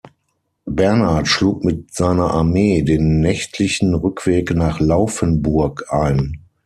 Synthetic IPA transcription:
bɛɐnatʃluːkmɪt̚z̥aɪnɐʔaɐmeːdeːnːɛçtʰlɪçn̩ʁʏkʰv̥eːknaːχlaʊfənbʊɐkʰʔaɪn

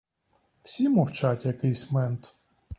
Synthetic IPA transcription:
w̥sʲimɔwt͡ʃatʲjɐkɪjsʲmɛnt̪

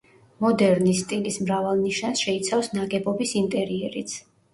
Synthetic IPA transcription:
mɔd̪ɛɾnist̪ʼilismɾavalˠniʃansʃɛit̪sʰafsnaɡɛbɔbisint̪ʼɛɾiɛɾit̪sʰ

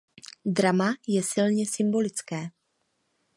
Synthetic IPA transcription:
dɾamajɛsɪlɲɛsɪmbo̞lɪt͡skɛː

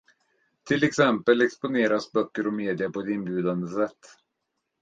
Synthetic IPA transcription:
t̪ʰɪlːɛksɛmpəlɛkspʊneːɾasbœkːəɾɔmeːd̪ɪapɔɛt̪ɪnbjʉ̟ːd̪and̪əsɛt̪ː

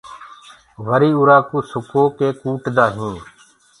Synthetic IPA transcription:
ʋəɾiːʊɾaːkuːsʊkʰoːkeːkuːʈd̪aːɦĩː

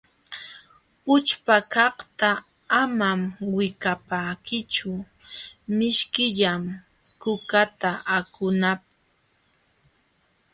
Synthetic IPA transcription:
ʊt͡ʃpakɑht̪aː | mamwɪkapakɪt͡ʃʊ | mɪʃkɪʎam | kʊkat̪aʔakʊnap̚

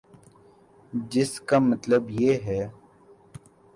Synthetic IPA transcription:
d͡ʒɪskamət̪ləbjeɦɛː

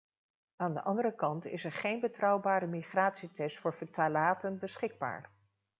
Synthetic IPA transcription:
aːndəʔɑndəɾəkɑntɪ̰sɛɹχejnbətrɑwbaːɾəmiχraːtsitɛstfʊːɹvətalaːtənbəsχɪɡ̚ba̰ːɹ

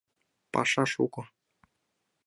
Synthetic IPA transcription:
pɑ̰ʂɑʂukɤ̆

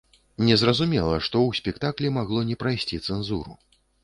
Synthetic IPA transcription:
nʲɛzrɐzumʲɛlˠɐʂt̪ɔwsʲpʲɛkt̪aklʲimaɣlˠɔnʲɛpɾajsʲt͡sʲit̪sɛnzuɾṵ

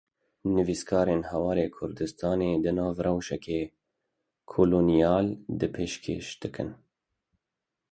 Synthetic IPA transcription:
nɨviskʰɑːɾeːnhɛwɑːɾeːkʰʊɾd̪ɨst̪ɑːneːd̪ɨnɑːvrɛwʃɛkeː | kʰoːloːnijɑːld̪ɨpʰeːʃkʰḛːʃd̪̥ɨkʰɨ̰n

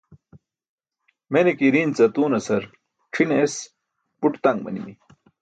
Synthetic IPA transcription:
menekiɾiːnt͡sɐt̪uːnɐsɐɾ | ʈ͡ʂʰines | puʈt̪ɐŋɡmɐ̰nḭmi

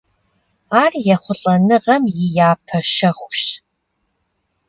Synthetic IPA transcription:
aːrjɛχʷʊɬʼɐnɨʁɐmjɪjaːpʰɐʃɐxʷɕ

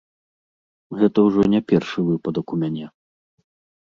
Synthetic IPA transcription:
ɣɛt̪ɐwʐɔnʲɛpʲɛrʂɨvɨpɐd̪ɐkumʲanʲɛ

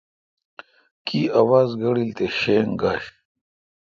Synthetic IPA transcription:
kiːɐwaːzɡɐɽilt̪eɕeːŋɡaːɕ

